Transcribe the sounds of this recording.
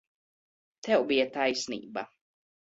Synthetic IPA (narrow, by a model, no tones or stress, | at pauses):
t̪ʰɛwbijat̪ajsnḭːba